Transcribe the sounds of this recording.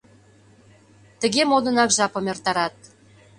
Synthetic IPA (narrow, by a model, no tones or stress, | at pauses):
t̪ə̆ɣemod̪ə̆nɑkʒɑpɤ̆mert̪ɑɾɑt̪̚